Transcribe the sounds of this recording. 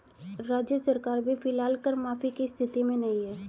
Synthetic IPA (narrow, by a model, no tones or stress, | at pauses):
ɾaːd͡ʒjəsəɾkaːɾbʱifɪlaːlkəɾmaːfikist̪ʰɪt̪imẽnɐɦĩɦɛː